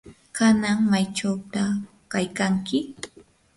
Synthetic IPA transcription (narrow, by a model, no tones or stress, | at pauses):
kanaŋmajt͡ʃawt̪a | kajkaŋkɪ